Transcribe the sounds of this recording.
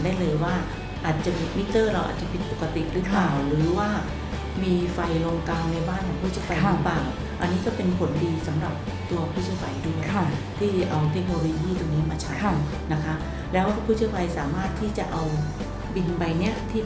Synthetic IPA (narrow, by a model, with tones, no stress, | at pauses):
daː˥˩jlɤː˧jwaː˥˩ | ʔaː˨˩t̪̚t͡ɕa˨˩miː˧mi˦˥t̪ːɤː˥˩ɾa˧wʔa̰ː˨˩t̪̚t͡ɕa˨˩pi˨˩t̪̚po˨˩kːa˧t̪ḭ˨˩ʔɾɯ˦˥plaː˨˩wɾɯː˩˦waː˥˩ | miː˧fa˧jlo˧ŋkaː˧ŋna˧jbaː˥˩nkʰɔː˨˩˦ŋpʰu˥˩t͡ɕʰi˥˩fʰa˧ja˦˥plaː˨˩w | ʔa˧nːiː˦˥kɔː˥˩pe˧nkʰo˨˩˦ndiː˧sa˩˦mɾa˨˩p̚ | t̪u˧ɐpʰuː˥˩t̪̚t͡ɕʰi˥˩fa˧jdu˥˩ə˧t̪ʰiː˥˩ʔa˧wt̪ʰe˦˥k̚noː˧lo˧jiː˥˩t̪u˧ŋniː˦˥maː˧t͡ɕʰa˦˥t̪ | na˦˥kʰa˦˥ | lɛː˦˥wpʰu˥˩t͡ɕʰi˥˩wpʰa˧jsaː˩˦maː˥˩t̪ʰːiː˥˩t͡ɕa˨˩ʔa˧w | bi˧nba˧jni˥˩ɐt̪ʰiː˥˩